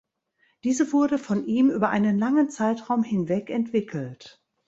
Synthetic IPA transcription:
d̥iːzəvʊɐdəfɔnʔiːmʔyːbɐʔaɪnənlaŋənt͡saɪtʁaʊmhɪnvɛkɛntv̥ɪkʰl̩t

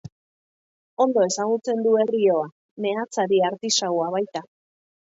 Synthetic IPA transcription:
o̞nd̪o̞e̞saɣ̞ut͡se̞nd̪ue̞rio̞a | ne̞at͡saɾiaɾt̪isawaβ̞ajt̪a

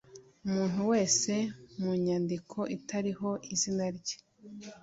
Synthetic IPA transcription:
umuːn̥huwe̞ːse̞muːɲaːndikʰo̞ʔitaɾiɦo̞ʔizinaɾɟe̥

